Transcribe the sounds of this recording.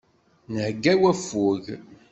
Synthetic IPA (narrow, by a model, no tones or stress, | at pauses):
nəhɡːæwæfːuʝ